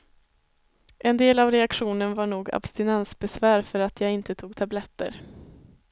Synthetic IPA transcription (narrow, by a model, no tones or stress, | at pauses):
ʔɛnd̪eːlavɾɛakɧuːnənvaɳuːɡa̰bst̪ɪnɛnsbɛsvæːɾfœɾat̪ʰjaːɪnt̪ət̪ʰuːɡt̪ʰablɛt̪ːə̰ɾ